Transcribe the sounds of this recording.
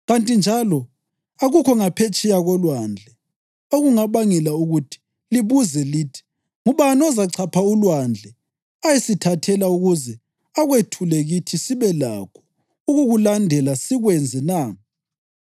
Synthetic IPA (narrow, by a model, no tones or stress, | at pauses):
ɣantʼind͡ʒʱalɔ | aɣukʰɔŋapʰet͡ʃʼɛjaɣɔlwand͡ɮʱɛ | oɣuŋaβaŋɛlauɣutʰi̥ | liβuzɛliːtʰi̥ | ŋuβanɔzaǀʰapʰaulwand͡ɮʱɛ | ajesitʰatʰɛlauɣuzɛ | aɣwetʰulɛɣitʰisiβɛla̰kʰɔ̥ | uɣuɣulandʱɛlasiɣwɛnd͡zʱɛnaː